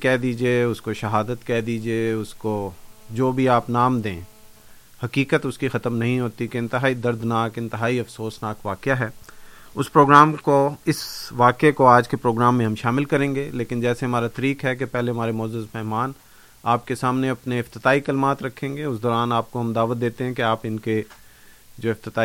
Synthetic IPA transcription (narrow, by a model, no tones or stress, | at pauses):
kɛːd̪iːd͡ʒieʊskoʃɐɦaːd̪ət̪kɛːd̪iːd͡ʒieʊskod͡ʒoːbʱiaːpnaːmd̪ẽː | hɐkiːkət̪ʊskixɐt̪əmnɐɦĩɦoːt̪ikeɪ̃nt̪ɪɦaːid̪ɐɾd̪naːkɪ̃nt̪ɪɦaːiɐfsoːsnaːkʋaːkjaɦɛːʊspɾoːɡɾaːmkoɪsʋaːkekoaːd͡ʒkepɾoːɡɾaːmːẽɦɐ̃mʃaːmɪlkɐɾẽːŋɡeleːkɪnd͡ʒɛːseɦɐmaːɾat̪ɐɾiːkɦɛk̬epɛɦleɦɐmaːɾemɔːzəzmɛɦmaːn | aːp̚kesaːmneɐpneɪft̪ɪt̪aːikɐlmaːt̪ɾɐkʰːẽːŋɡeʊsd̪ɔːɾaːnaːp̚koɦɐmd̪aːʋət̪̚d̪eːt̪eɦɛ̃keaːpɪnke | d͡ʒoːɪft̪ɪt̪aː